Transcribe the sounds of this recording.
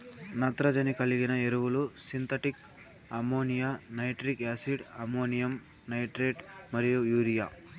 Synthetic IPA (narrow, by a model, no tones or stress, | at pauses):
nɐt̪ɾɐd͡ʒɐnikɐliɡinɐeɾuwulusint̪ɐʈik | ɐmoːnijanɐjʈɾikaːsiɖɐmoːnijɐm | nɐjʈɾeːʈ | mɐɾijujuːɾijaː